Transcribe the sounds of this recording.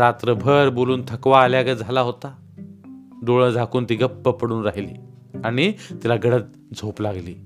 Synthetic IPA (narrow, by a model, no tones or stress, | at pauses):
ɾat̪ɾəbʱəɾboluːnt̪ʰəkʋaːljaɡəd͡zʱalaɦot̪a | d̪oɭəd͡zʱakuːnt̪iːɡəpːəpəɽuːnɾaɦilḭː | aɽ̃it̪ilaɡəɽət̪̚ | d͡zʱoplaɡlḭː